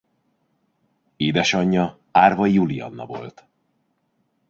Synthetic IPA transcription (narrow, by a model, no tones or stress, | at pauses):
eːd̪ɛʃɒɲːɒ | aːrvɒjulijɒ̰nːɒ̰vo̞̰lt̪